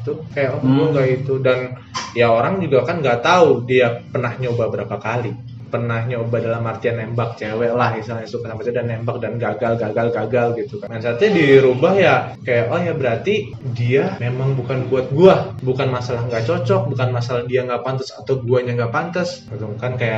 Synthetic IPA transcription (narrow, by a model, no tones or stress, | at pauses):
it̪ukajaʔoauɡait̪udan | jaoɾaŋd͡ʒuɡakanɡat̪audiapənahɲaubahbəɾapakali | pənahɲaubahdalamart̪ianːembak̚t͡ʃewɛʔlahmisalɲasukasamat͡ʃadanːembak̚danɡaɡalɡaɡalɡaɡalɡit̪ukanɡansat̪adiɾubahjakajaʔahjabəɾart̪i | diamemaŋbukanbuat̪̚ɡuabukanmasalahŋɡaʔt͡ʃot͡ʃɔk̚bukanmasalahdiaŋɡapant̪əsat̪awɡuaɲaŋɡapant̪əsməluŋkankajaʔ